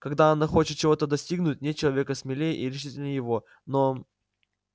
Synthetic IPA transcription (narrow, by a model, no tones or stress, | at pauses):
kɐɡd̪aɐnaxo̞t͡ɕɪt̪̚t͡ɕɪvo̞t̪əd̪ɐsʲtʲiɡnʊt̚ʲnʲet̪̚t͡ɕːɪlˠɐvʲe̞kəsʲmʲɪlʲejəʔiɾʲɪʂɨtʲɪlʲnəjɪvo̞ | no̞